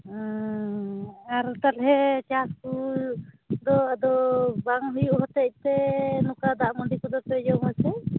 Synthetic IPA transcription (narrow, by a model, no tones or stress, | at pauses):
aɾt̪at̪ɦɛt͡ʃaskul | d̪ɔad̪ɔbaŋɦujuʔɦɔt̪ɛc̚t̪ɛnɔkad̪aʔmɔɳɖikud̪ɔpɛd͡ʒɔŋasɛ